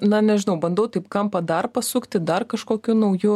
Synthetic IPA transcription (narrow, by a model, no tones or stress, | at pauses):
nɐnʲɛʒʲɪnɐʊbɐnd̪ɐʊt̪ɐɪpkɐmpɐd̪ɐrpɐsʊkt̪ʲɪd̪ɐrkɐʃkoːkʲunɐʊjʊ